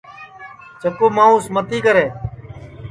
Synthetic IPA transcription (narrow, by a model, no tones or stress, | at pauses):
t͡ʃəkoːmãːʊsmət̪iːkəɾeː